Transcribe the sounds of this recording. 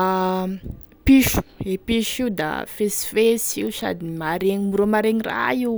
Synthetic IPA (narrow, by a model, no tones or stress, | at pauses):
piʃu̥epiʃiud̪a̰fesfesiusa̰d̪imaɾeŋimuɾomaɾeŋira̰i